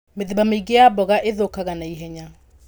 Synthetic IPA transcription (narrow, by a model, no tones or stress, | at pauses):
meðebameiɡejabɔɣaʔeðokaɣanaiɦɛɲa